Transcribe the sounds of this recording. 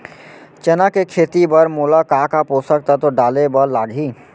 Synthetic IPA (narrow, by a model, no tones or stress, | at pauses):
t͡ʃɛnakekʰeːt̪ibəɾmoːlakaːkapoːsək̚t̪at̪oɖaːlebəɾlaːɽʱiː